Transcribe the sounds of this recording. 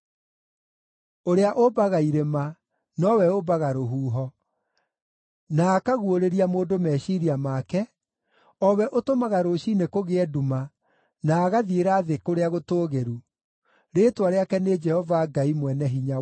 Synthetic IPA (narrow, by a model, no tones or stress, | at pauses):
oɾeaʔobaɣaiɾema | nɔwɛobaɣaɾoɦuːɦɔ | naːkaɣuoɾeɾiamoːdomɛɕiɾiamaːkɛ | ɔwɛʔotomaɣaɾoʃinekoɣeɛduma | naːɣaðieɾaðekoɾeaɣotoːɣeɾu | ɾeːtwaɾeakɛned͡ʒɛhɔvaɡaimwɛnɛɦiɲa